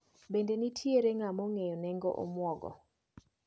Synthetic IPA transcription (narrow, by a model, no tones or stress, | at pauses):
bendenitʰjeɾeŋamɔŋejɔnɛŋɡɔ̰ʔo̰mwɔɡɔ̰